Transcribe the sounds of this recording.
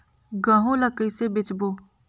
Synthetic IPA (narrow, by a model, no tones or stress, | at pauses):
ɡə̃ɦõləkəsebɪt͡ʃboː